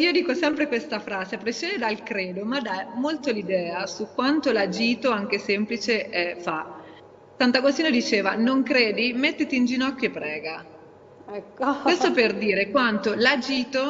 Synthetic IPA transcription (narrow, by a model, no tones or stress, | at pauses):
iːod̪iːkosɛmpɾekwest̪afɾaːzepɾesjeːned̪alkɾeːd̪omad̪amolt̪olid̪ɛːasukːwant̪olad͡ʒiːt̪oaŋk̟esemplit͡ʃeʔɛfa | sant̪aɡost̪iːnod̪it͡ʃeːvanoŋkɾeːd̪imet̪ːet̪iːnd͡ʒinɔkːjoepːɾɛːɡa | ɛkːwest̪operd̪iːɾekwant̪olad͡ʒiːt̪o